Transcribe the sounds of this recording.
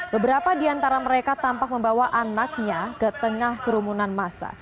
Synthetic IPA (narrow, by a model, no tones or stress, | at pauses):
bəbəɾapadiant̪aɾaməɾekat̪ampak̚məmbawaʔanak̚ɲakət̪əŋahkəɾumunanmasa̰